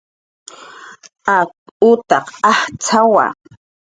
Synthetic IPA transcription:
akʊt̪ɑqɑht͡sʰawa̰

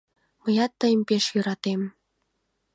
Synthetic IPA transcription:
məjɑt̪ːəjəmpeʃjøɾɑt̪em

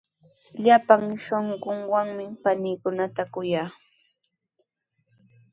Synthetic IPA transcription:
ʎapaŋʃoɴɢoŋwaŋmɪpanɪːkʊnat̪akʊjaː

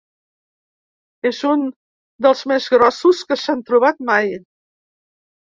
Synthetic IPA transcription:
ezun | d̪əlˠzmezɣɾɔsuskəsant̪ɾuβ̞at̪maj

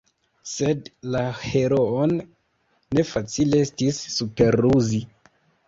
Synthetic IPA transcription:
se̞dlaheɾonː | e̞fat͡sile̞estisːupe̞ɾuzi

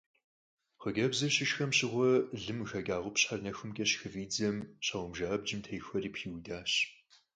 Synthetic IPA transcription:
χəɡɐbzɐɕɪʃxɐmɕɪʁʷɔɮɨmɣɐɡaːʁʷʊpɕħarnɐxɨmkʲʼɐɕxɨviːd͡zɐmɕɐʁʷʊmʒaːb̚d͡ʒɪmtʰɐjxʷɐriːpʰiːwdaːɕ

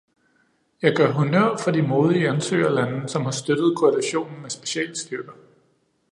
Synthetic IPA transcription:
jɑ̈ɪɡ̥ɶɐ̰ɦunøɐ̰fɒd̥imo̝ːð̞ˠiænsø̰ːɐlæn̩sɒ̽mhɑ̈sd̥ød̥ð̞̩ˠkʰoælæɕo̝̰ːnn̩mesb̥e̝ɕɛ̰ːlsd̥yb̥ɐ

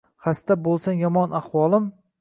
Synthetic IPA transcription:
χast̪abolˠsanjɒmɒnaχwɒlˠɪm

